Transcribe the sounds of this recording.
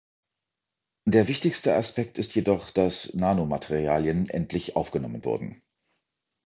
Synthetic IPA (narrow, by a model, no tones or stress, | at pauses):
d̥eːɐvɪçtɪçstəaspɛk̚tɪstjedɔχd̥asnaːnomatʰeʁiaːljənʔɛ̰ntʰlɪçʔa̰ʊfɡ̥ənɔmənvʊ̰ɐdn̩